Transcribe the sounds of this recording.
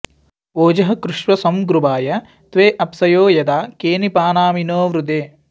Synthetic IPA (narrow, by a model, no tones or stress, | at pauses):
oːd͡ʒɐɦɐkɾuʃʋɐsɐmɡɾubaːjɐ | t̪ʋeːʔɐpsɐjoːjɐd̪aːkeːnipaːnaːminoːʋɾud̪eː